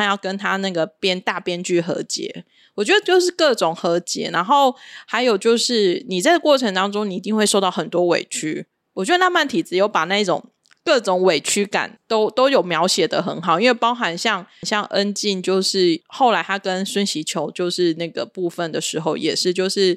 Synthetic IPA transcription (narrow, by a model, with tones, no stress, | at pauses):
jɑ˥˩ʊkə˦nt̪ʰa˥na˥˩ɡə˩pjɛ˥nt̪a˥˩pjɛ˥nt͡ɕy˥˩xɤ̰˧˥˦t͡ɕjɛ̰˧˦ | wɔ˨˩t͡ɕɥɛ˧˥d̪ə˧˩t͡ɕjo˥˧ʊʂ̬ɻ̩˥˩˧kɤ˥˩ʈ͡ʂʊ˨˩ŋxɤ˧˥t͡ɕjɛ̰˧˥˦na˧˥nxo˥˩ʊha˧˥ɪjo˨˩ʊt͡ɕjo˥˧ʊʂɻ̩˥˩ni˨˩t͡sa˥˩ɪə˩kwɔ˥˩ʈ͡ʂʰə˧˥ŋt̪ɑ˥ŋʈ͡ʂʊ˥ŋni˨˩i˧˥t̪i˥˧ŋxwe˥˧ɪʂo˥˧ʊt̪ɑ˥˩ʊxə˨˩nt̪wɔ˥wḛ˨˩ɪt͡ɕʰy˦˥ | wɔ˨˩t͡ɕɥɛ˧˦˥ə˧na˥˧ma˥˩nt̪ʰi˨˩t͡sɹ̩˧˥jo˧˥ʊpa˨˩na˥˧i˥˩ʈ͡ʂʊ̰˨˩ŋ | kɤ˥˩ʈ͡ʂʊ˨˥ŋwe˨˩ɪt͡ɕʰy˥ka̰˨˩˦nt̪o˥ʊt̪o˥ʊjo˨˩ʊmjɑ˧˥ʊɕjɛ˨˩d̪ə˦xə˧˩˦nxɑ˨˩ʊi˥nwe˥˩ɪpɑ˥ʊxa˧˥nɕjɑ˥˧ŋnɕjɑ˥˧ŋʔə˦nt͡ɕi˥˧nt͡ɕjo˥˧ʊʂɻ̩˥˩xo˥˩ʊla˧˥ɪt̪ʰa˥kə˦nswə˥nɕi˧˥t͡ɕʰjo˧˥ʊt͡ɕjo˥˧ʊʂɻ̩˥˧na˥˩ɡə̰˩pu˥˧fə˨˩nd̪ə˩ʂɻ̩˧˥xo˥˩ʊjɛ̰˨˩ʂɻ̩˥˧t͡ɕjo˥˧ʊʂɻ̩˥˩